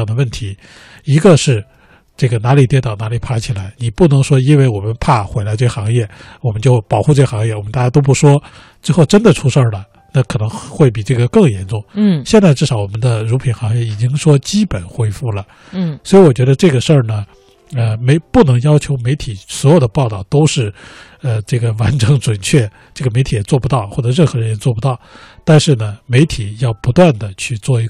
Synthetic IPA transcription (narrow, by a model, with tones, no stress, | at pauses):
d̪ə˩˦wə˥˩nt̪ʰi˧˥ | i˧˥ɡə˧ʂɻ̩˥˧ | ʈ͡ʂɤ˥˩ɡə˩na˧˥li˨˩t̪jɛ˧˥t̪ɑ˥˨˩ʊna˧˥li˨˩pʰa˥t͡ɕʰi˨˩la˧˥ɪni˨˩pu˥˩nɤ˧˥ŋʂwɔ˥i˥nwe˥˩ɪwɔ˨˩mə˦npʰa˥˩xwe˧˥ɪla˧˥ɪʈ͡ʂɤ˥˩ə˨˩xɑ˧˥ŋjɛ˥˩wɔ˨˩mə˦nt͡ɕjo˥˩ʊpɑ˨˩ʊxu˧ʈ͡ʂɤ˥˩ɡə˨˩xɑ˧˥ŋjɛ˥˩wɔ˨˩mə˦nt̪a˥˧˩t͡ɕa˥t̪o˥ʊp̬u˥˩ʂwɔ˥ | ʈ͡ʂɻ̩˥˧xo˥˩ʊʈ͡ʂə˥nd̪ə˨ʈ͡ʂʰu˥ʂə˥˧˩lə˩ | na˥˩kʰɤ˨˩nɤ˧˥ŋxwe˥˩ɪp̬i˨˩ʈ͡ʂɤ˥˩ɡə˩kɤ˥˩ŋjɛ˧˥nʈ͡ʂʊ˥˩ŋ˥˩ɕjɛ˥˧nt͡sa˥˧ɪʈ͡ʂɻ̩˥˩ʂɑ˧˥ʊwɔ˨˩mə˦nd̪ə˧ɻu˧˥pʰi˨˩nxɑ˧˥ɛ˥˩i˨˩t͡ɕi˥ŋʂwɔ˥t͡ɕi˥pə˨˩nxwe˥ɪfu˥˩lə˩ | swɔ˧˥i˧˥wɔ˨˩t͡ɕɥɛ˧˥d̪ə˧ʈ͡ʂɤ˥˩ɡə˩ʂə˥˩nə˩ | ə˧me˧˥ɪpu˥˩nɤ˧˥ŋjɑ˥ʊt͡ɕʰjo˧˥ʊme˧˥ɪt̪ʰi˨˩swɔ˧˥jo˨˩ʊd̪ə˦˧pɑ˥˧ʊt̪ɑ˥˩ʊt̪o˥ʊʂɻ̩˥˧ | ə˧ʈ͡ʂɤ˥˩ɡə˩wa˧˥nʈ͡ʂɤ˧˥ŋʈ͡ʂwə˨˩nt͡ɕʰɥɛ˥˧ | ʈ͡ʂɤ˥˩ɡə˩me˧˥ɪt̪ʰi˧˩jɛ˨˩t͡swɔ˥˩pu˧˥t̪ɑ˥˧ʊxwɔ˥˩ʈ͡ʂɤ˨˩ɻə˥˩xɤ˧˥ɻə˧˥njɛ˥t͡swɔ˥˩pu˧t̪ɑ˥˩ʊt̪a˥˧nʂɻ̩˥˩nə˩me˧˥ɪt̪ʰi˨˩˦jɑ˥˩ʊpu˧˥t̪wa˥˩nd̪ə˩t͡ɕʰy˥˧t͡swɔ˥˩i˧˥